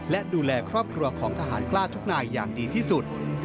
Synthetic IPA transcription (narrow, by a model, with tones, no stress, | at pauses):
lɛ˦˥duː˧lɛː˧kʰɾɔː˥˩p̚kʰɾu˧ɐkʰɔː˩˦ŋt̪ʰaː˧ɦa̰ː˩˦nklaː˥˩t̪ʰu˦˥k̚naː˧jːaː˨˩ŋdiː˧t̪ʰiː˥˩su˨˩t̪̚